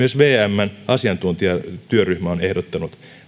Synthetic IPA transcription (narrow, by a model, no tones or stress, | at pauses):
yøsʋeːæmːænɑsiɑnt̪unt̪iɑt̪yøryhmæonehdot̪ːɑnut̪